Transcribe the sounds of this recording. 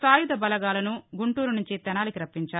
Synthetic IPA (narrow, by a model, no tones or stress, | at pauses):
saːjud̪ɐbɐlɐɡaːlɐnuɡuɳʈuːɾunuɲt͡ʃit̪ɛnaːlikiɾɐpːiɲt͡ʃaːɾ